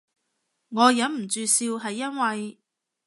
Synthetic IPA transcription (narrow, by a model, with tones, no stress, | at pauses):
ŋɔː˨˧jɐ˨˥nm̩˨˩t͡ʃyː˨˧siː˧wɦɐ˨jːɐ˥nwɐ˨j